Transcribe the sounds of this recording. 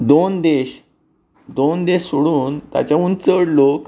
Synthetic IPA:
d̪ond̪eɕ | d̪ond̪eɕsoɽuːnt̪ja̰t͡ɕjaunt͡səɽlok

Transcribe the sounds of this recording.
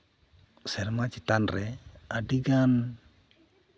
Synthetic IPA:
sɛɾmat͡ʃit̪anɾɛəɖiɡan

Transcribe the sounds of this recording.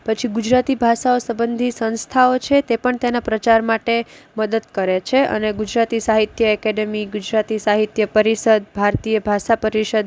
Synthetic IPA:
pət͡ʃʰiɡud͡ʒɾat̪ibʱaʃaosəbənd̪ʱisə̃nst̪ʰaot͡ʃʰet̪epəɳt̪enapɾət͡ʃaɾmaʈe | məd̪əd̪kəɾet͡ʃʰeə̰neɡud͡ʒɾat̪isaɦit̪jəɛkeɖemiɡud͡ʒɾat̪isaɦit̪jəpəɾiʃəd̪bʱaɾt̪ijəbʱaʃapəɾiʃəd̪

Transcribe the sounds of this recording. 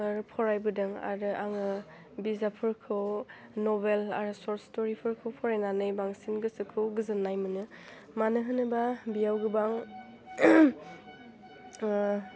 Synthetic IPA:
aɾpʰɔɾajbɯdɯŋa̰ɾɯʔa̰ŋɯ | bizapʰɯɹkʰɯw | nɔbela̰ɾɯsɔɾstɔɾipʰɯɾkʰɯwpʰɔɾajnanɯjbaŋsinɡɯsɯkʰɯwɡɯzɯnːajmɯnɯ | manɯɦɯnɯbabijawɡɯbaŋ

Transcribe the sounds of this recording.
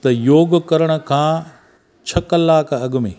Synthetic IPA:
t̪ɐjoːɡkɐɾəɽ̃ə̆kʰãː | t͡ɕʰɐkɐlaːkɐɠmḛ̃ː

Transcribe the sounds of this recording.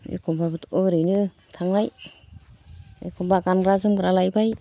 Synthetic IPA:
ḛkʰɔmbabɯtɯɾɯjnɯ | tʰaŋlaj | ḛkʰɔmbakanɡɾazɯmɡɾalajbaj

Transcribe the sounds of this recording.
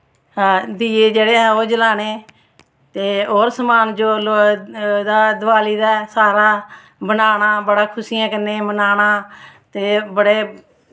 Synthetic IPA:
ɦãːd̪iːeːd͡ʒeːɽeːɦːoːd͡ʒəlaːneː | t̪eːoːɾsəmaːnd͡ʒoːlod̪aːd̪ʋaːliːd̪aːsaːɾaː | bənaːɽaːbəɽaːkʰʊsiːãːkəneːbənaːɽaːt̪eːbəɽeː

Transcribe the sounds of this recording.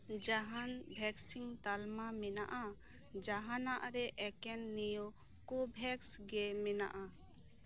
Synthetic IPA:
d͡ʒaɦanbʱɛksiŋt̪almamɛna̰ʔa | d͡ʒaɦanaʔɾɛʔɛkɛnːijo | kubʱɛksɡɛmɛna̰ʔa

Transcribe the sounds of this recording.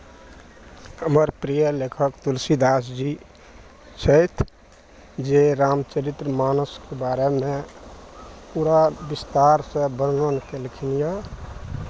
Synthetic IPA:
ɦəməɾpɾijəlekʰəkt̪ulsid̪as̬d͡ʒi | t͡ʃʰəjt̪ʰ | d͡ʒeɾamt͡ʃəɾit̪ɾəmaːnuskebaɾeme | puːɾabist̪aɾsə̃bənnənkelikʰinija

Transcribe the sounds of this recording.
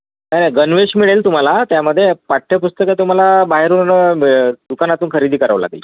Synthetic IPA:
najnajɡənʋeɕmiɭelt̪um̤alat̪jaməd̪ʱːjepaʈʰːepust̪əket̪um̤alabaɦeɾuːn | d̪ukanat̪uːnkʰəɾid̪ʱiːkəɾa̰ʋla̰ɡḭː

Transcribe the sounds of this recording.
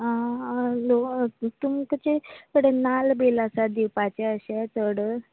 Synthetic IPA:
ɦalot̪umkət͡ɕekəɽenalbelasad̪ipat͡ɕeəɕet͡səɽə

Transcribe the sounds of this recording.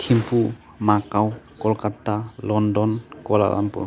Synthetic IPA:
tʰimpu | makawkɔlkatalɔndɔnkɔla̰la̰mpṵ

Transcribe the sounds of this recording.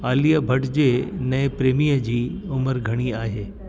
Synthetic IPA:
aːlijəbʱɐʈd͡ʑenɛ̃ːpɾeːmijəd͡ʑiːʊməɾɡʱɐɽ̃iaːɦeː

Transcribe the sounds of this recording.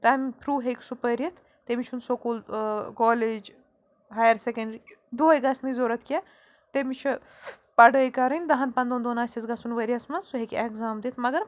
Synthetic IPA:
t̪ɐmipʰɾuːɦekʲsupəɾjɐt̪ʰ | t̪emit͡ʃʰunsokuːlkoːled͡ʒ | ɦaːjɐɾsekɐɳɖɾid̪oːjɡɐsnɨzoːɾɐt̪kʲɛ | t̪emit͡ʃʰi | pɐɽəːjkɐɾɐnʲd̪ɐɦɐnpɐnd̪oːnd̪oːnaːsʲisɡɐsunʋəɾʲiɐsmɐnzsuɦekekzaːmd̪it̪ʰmɐɡɐɾ

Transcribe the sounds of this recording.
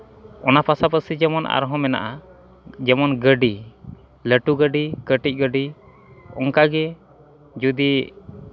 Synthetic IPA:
ɔnapasapəsid͡ʒɛmɔnʔa̰ɾɦɔ̃mɛna̰ʔa | d͡ʒɛmɔnɡəɖi | ləʈuɡəɖikəʈic̚ˀɡəɖi | ɔŋkaɡɛ | d͡ʒud̪i

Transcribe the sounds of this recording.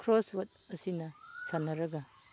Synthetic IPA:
kʰɾoswɐt̚ɐsinɐsanːɐɾɐɡɐ

